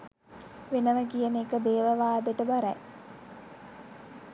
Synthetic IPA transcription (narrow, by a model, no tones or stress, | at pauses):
ʋenəʋəkijənekəd̪eːʋəʋaːd̪əʈəbaɾɛ̰